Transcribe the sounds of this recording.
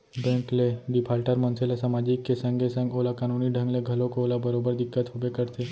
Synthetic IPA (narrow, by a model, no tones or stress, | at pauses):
bɛ̃ːŋkleɖɪpʰaːlʈəɾmə̃nselesamaːd͡ʒikːesɐ̃ŋɡʱesɐ̃ŋɡoːlakaːnuːniɖʱə̃ŋɡleɡʱɐlõkooːlabɐɾoːbəɾd̪ɪkːət̪ɦʊbekəɾt̪ʰeː